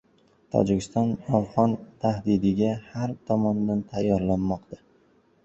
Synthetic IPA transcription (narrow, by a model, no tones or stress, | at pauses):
t̪ʰɒ̰d͡ʒɪkʲɪst̪ɒnafʁɒnt̪ʰahd̪ɪd̪ɪɡʲahaɾt̪ʰɒmɒnd̪ant̪ʰajːɒɾlanmɒqt̪a